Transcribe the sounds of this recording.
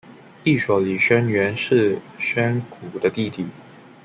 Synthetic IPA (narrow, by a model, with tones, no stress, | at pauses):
i˥˩ʂwɔ˨˩li˨˩ɕɥɛ˥nɥɛ˧˥nʂɻ̩˥˩ɕɥɛ˥nkʰu˨˩d̪ə˦t̪i˥˧t̪i˥˩